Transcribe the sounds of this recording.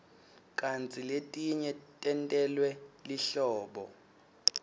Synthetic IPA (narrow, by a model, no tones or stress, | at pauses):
kʼant͡sʼiletʼiɲɛtʼɛntʼɛlwɛliɬɔːɓɔ